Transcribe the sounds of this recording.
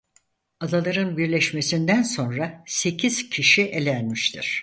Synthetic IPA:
ad̪alˠaɾɯnbiɾlʲɛʃme̞sind̪ænso̞nɾase̞cʰiz̥cʰiʃiʔe̞lʲænmiʃt̪ʰḭɾ̥

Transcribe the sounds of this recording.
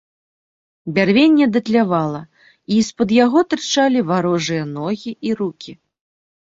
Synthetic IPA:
bʲarvʲenʲːɛd̪ɐt̪lʲavalˠɐ | ispɐd̪jaɣɔt̪ɾɨt͡ʂalʲivaɾɔʐɨjɐnɔɣʲiiɾukʲi

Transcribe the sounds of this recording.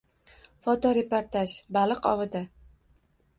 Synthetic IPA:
fɒt̪ɒɾepoɾt̪aʃbalˠɨqɒ̰vɪd̪a

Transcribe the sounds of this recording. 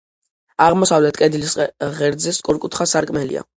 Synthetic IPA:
aʁmɔsavlɛt̪ʰkʼɛd̪ilisʁɛɾd̪zɛskʼuɾkʼut̪ʰχasaɾkʼmɛlḭa̰

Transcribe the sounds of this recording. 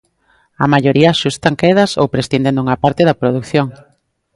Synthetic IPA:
ɐ̰maʎoɾiɐʃust̪aŋkeðɐsowpɾesθind̪end̪uŋapaɾt̪eðɐpɾoðukθjoŋ

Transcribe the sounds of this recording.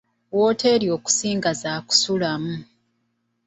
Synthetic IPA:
wo̞ːteɾjo̞ːku̥siːŋɡazaːku̥sulamu

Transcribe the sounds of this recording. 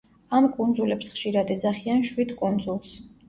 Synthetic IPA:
amkʼund̪zulɛpsχʃiɾad̪ɛd̪zaχianʃwid̪kʼund̪zulˠs

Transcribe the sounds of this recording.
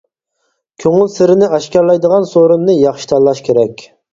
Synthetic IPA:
kʲʰøŋɪlsɪɾɪnɪæʃkʲæɾlɛjd̪əʁɑnsoɾunnɨjɑχʃi̥t̪ʰɑllˠɑʃkʲʰeɾɛkʲ

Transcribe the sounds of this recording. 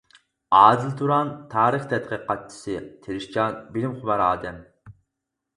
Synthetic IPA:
ɑːzɨlt̪ʰuɾɑnt̪ʰɑːɾəχt̪ʰɛt̪̚qəqɑt̚t͡ʃʰːi̥sɨt̪ʰeɾɪʃt͡ʃɑnbɪlɪmχʊbɑɾɑːd̪ɛm

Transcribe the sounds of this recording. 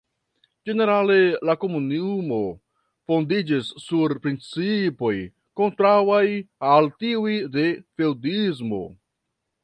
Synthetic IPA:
d͡ʒe̞ne̞ɾale̞lako̞munimo̞ | fo̞ndid͡ʒisːuɾpɾint͡sipo̞j | ko̞ntɾawajaltiujde̞fe̞wdizmo̞̰

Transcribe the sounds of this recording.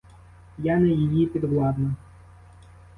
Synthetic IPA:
janɛjejipʲid̪ʋlˠɑd̪nɐ

